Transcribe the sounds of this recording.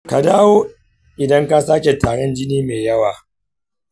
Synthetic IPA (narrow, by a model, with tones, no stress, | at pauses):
ka˨daː˦woː˦ | ʔɪ˨dɐ˦ŋka˦saː˦kʲe˨taː˨ɽɔ˦nd͡ʒɪ˦niː˦meː˨jɐ˦waː˨